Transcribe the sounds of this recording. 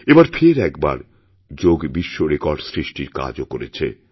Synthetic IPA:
ebaɾpʰeɾɛkba̰ɾ | d͡ʑoɡbiʃːoɾekɔɾɖsɾiʃʈiɾka̰d͡ʑokoɾet͡ɕʰḛ

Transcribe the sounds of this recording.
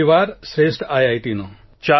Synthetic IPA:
iʋaːɾsɾesʈajajt̪ino | t͡ɕa

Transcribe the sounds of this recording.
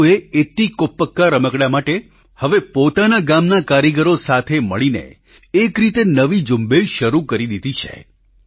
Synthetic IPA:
eet̪ikopːəkːaɾəməkɽjamaʈe | həʋepot̪anaɡamnakaɾiɡəɾosat̪ʰeməɭinḛ | ekɾit̪enəʋid͡ʒumbeʃəɾukəɾid̪id̪it͡ʃʰḛ

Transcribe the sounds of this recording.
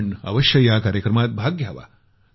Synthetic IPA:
ɳɐ̰ʋɐʃjɐjaːkaːɾjɐkɾɐmaːt̪̚bʱaːɡjɐɐʋa̰ː

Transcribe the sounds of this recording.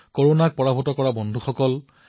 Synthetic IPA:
koɹonak̚pɔɹabʱɔtɔkɔɹabɔndʱuxɔkɔl

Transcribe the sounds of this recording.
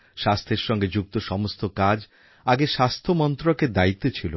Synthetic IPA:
ʃast̪ʰeɾʃɔŋɡed͡ʑuk̚t̪oʃɔmost̪okad͡ʑ | aɡeʃast̪ʰomɔnt̪ɾoked̪ait̪ːet͡ɕʰilo̰

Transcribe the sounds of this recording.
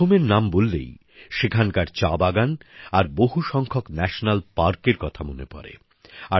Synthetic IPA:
omeɾnambolːḛj | ʃekʰankaɾt͡ɕabaɡanaɾboɦuʃɔŋkʰoknɛʃonalpaɾkeɾkɔt̪ʰamonepɔ̰ɾḛ | a

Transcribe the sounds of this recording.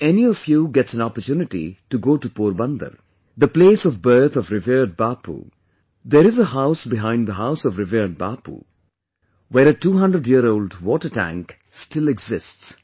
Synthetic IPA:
ɛniɔfjuɡɛtsæ̃nɔpətjuːnɪʈḭʈuɡoːʈupuːɾbʌ̃nd̪ə̰ɾ | d̪əpleːsɔvbɜ˞t̪ʰɔvɾɪviɾɖ̚bapṵ | d̪eɾɪzəhaʊsbɪɦãɪ̃ndd̪əɦaʊsɔvɾɪviɖ̚ba̰pṵ | weɾəʈuːɦʌ̃ndɾəɖjiəɾoʊlɖwɔːʈəʈæ̰̃ŋk | sʈɪlɛɡzɪsts

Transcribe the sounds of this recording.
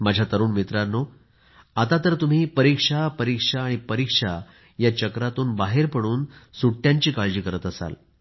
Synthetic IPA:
mad͡ʑʱjat̪əɾuːnmit̪ɾano | at̪at̪əɾt̪um̤iːpəɾikʂapəɾikʂaːɽ̃ipəɾikʂa | jat͡ɕəkɾat̪uːnbaɦeɾpəɽ̃uːnsuʈːjaɲt͡ɕiːkaɭd͡ʑiːkəɾət̪əsa̰l

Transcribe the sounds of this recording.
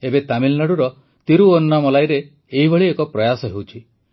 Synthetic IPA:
ebet̪amilnaɽuɾɔ | t̪iɾuonnamɔlajɾeː | ɦibʱɔɭiekɔpɾɔjasɔɦewt͡ʃʰi

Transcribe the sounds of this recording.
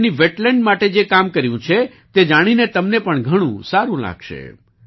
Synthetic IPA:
niʋeʈlɛɳɖmaʈed͡ʒekamkəɾjũt͡ʃʰe | t̪ed͡ʒaɽ̃inet̪əmnepəɳɡʱəɽ̃ũsaɾũla̰ɡʃḛ

